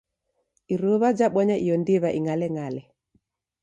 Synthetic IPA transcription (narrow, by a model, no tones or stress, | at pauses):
iɾoβad͡ʒaɓɔɲaʔijɔndiβaʔiŋalɛŋalɛ